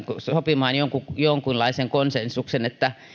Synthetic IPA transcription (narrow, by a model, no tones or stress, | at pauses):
ksopimɑːnjoŋkujoŋkunlɑiseŋkonsensːuksenet̪ːæ